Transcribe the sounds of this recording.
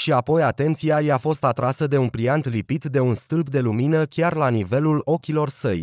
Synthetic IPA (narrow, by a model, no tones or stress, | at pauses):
ʃiapo̞jat̪e̞nt̪siajafo̞st̪at̪ɾasəd̪e̞unpɾiant̪lipit̪d̪e̞unst̪ɨlbd̪e̞luminəkʲarlanive̞lulo̞kʲilo̞rsə̰j